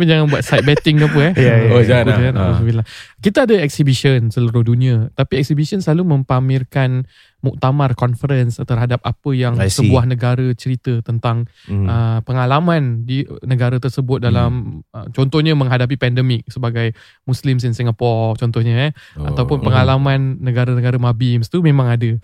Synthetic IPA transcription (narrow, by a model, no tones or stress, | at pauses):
pund͡ʒaŋanbuat̪̚sajt̪̚bɛt̪ɪŋapəɛjod͡ʒaaana̰as̬əbilaŋkit̪aadəɛk̚sibisənsəluɾʊhduniat̪apiɛk̚sibisənsəlalumə̃mpamɪrkan | muk̚t̪amarkɔnfəɾənst̪ərɦadap̚apəjaŋsəbuahnəɡaɾət͡ʃəɾit̪ət̪ənt̪aŋ | əpəŋalamãndinəɡaɾat̪ərsəbʊt̪̚dalamə̰t͡ʃɔnt̪ɔhɲamə̃ŋɦadap̬ipɛndəmɪk̚səbaɡaj | muslɪms̬insiŋapɔrt͡ʃɔnt̪ɔhɲəʔa̰t̪awpʊnpəŋalamãnːəɡaɾanəɡaɾəmabimst̪umẽmãŋadə